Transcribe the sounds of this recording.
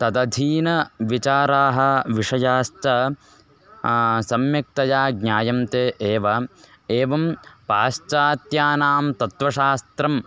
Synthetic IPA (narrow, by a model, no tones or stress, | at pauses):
t̪ɐd̪ɐd̪ʱiːnɐʋit͡ʃaːɾaːɦɐ̆ʋiʂɐjaːst͡ʃɐ | sɐmjɐk̚t̪ɐjaːɡɲʲaːjɐmt̪eːʔeːʋɐ | eːʋɐmpaːst͡ʃaːt̪jaːnaːmt̪ɐt̪ʋɐʃaːst̪ɾɐm